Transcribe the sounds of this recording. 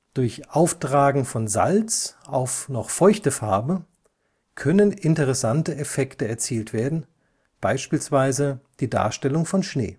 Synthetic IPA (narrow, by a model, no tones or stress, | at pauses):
d̥ʊɐçʔaʊftʁ̥aːɡŋ̩fɔnza̰lt͡sʔaʊfnɔχfɔʏçtəfaɐbə | kʰœnənɪntəʁɛsantəɛfɛktəɛɐt͡siːltv̥eːɐdn̩ | b̥aɪʃpiːlsv̥aɪzəd̥iːda̰ːɐʃtɛlʊŋfɔnʃnḛː